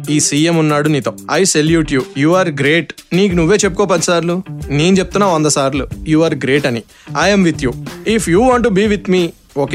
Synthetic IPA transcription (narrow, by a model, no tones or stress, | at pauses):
iːsiːemunːaːɽuniːt̪oɐjseljuːʈjuːjuːaːɾɡɾeːʈniːkunuʋːe̞ːt͡ʃepːu̥koːp̬ɐnsaːɾluneːnut͡ʃe̞b̚t̪unːaːɐnd̪ɐsaːɾlujuːaːɾɡɾe̞ːʈɐni | aːjɐmʋit̪ʰjuːipʰjuːʋaːɳʈ̬ubiːʋit̪miː | oːk